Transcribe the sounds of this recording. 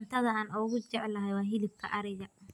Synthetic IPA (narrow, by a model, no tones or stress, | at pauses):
nt̪ʰɐðɐaːnʔʊɣʊd͡ʒɛʕlɐɦɛjwaːɦɪlɪb̚kʰɐ̰ʔɐɾɪjɐ